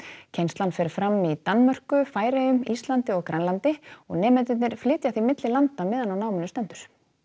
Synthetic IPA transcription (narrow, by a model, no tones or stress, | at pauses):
cʰejnst̪lanfɛːɾfɾamːit̪anːmœr̥kʏfaːjɾejʏmist̪lant̪ɪɔɣkɾajnlant̪ɪɔ̰ɣnɛːmɛt̪ɪt̪nɪɾ̥flɪːt̪jaθimɪt̪lɪlant̪amɪːðanawnaːwmɪnʏst̪ɛnt̪ʏɾ̥